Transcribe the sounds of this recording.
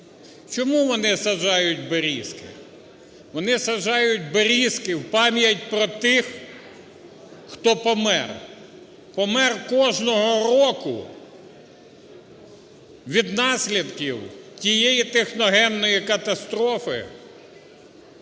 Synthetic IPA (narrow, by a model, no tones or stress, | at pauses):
t͡ʃɔmuʋɔnɪsɐʒɑjʊtʲbeɾʲiskɪ̰ | ʋɔnɪsɐʒɑjʊt̚ʲbeɾʲiskɪwpɑmʲjɐtʲpɾɔt̪ɪx | xt̪ɔpɔmɛr | pɔmɛrkɔʒnɔɦɔɾɔkʊ̰ | ʋʲid̪nɑsʲlʲid̪kiwtʲijɛjit̪exnɔɦɛmnɔjikɐt̪ɐst̪ɾɔfɪ̰